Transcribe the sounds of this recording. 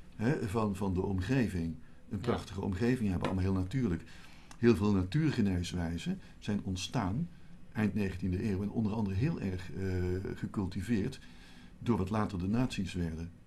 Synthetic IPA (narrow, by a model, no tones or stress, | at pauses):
ɦɛvɑnvɑndəɔmχejvɪŋ | ənprɑχtəχəɔ̰mχejvɪŋɦɛbəʔɑ̰lmaɦɪːlˠnatyːɹlək | ɦɪːlˠvɪːlˠnatyːɹχənejsʋɛjzən | z̥ɛjnɔntstaːn | ʔɛjntnejχəntindəʔeːwɛnɔ̰ndərɑndərəɦɪːlˠʔɛɹχ | χəkɵlˠtivɪːɹt | dʊːɹʋɑtlaːtərdənaːtsisʋɛɹdən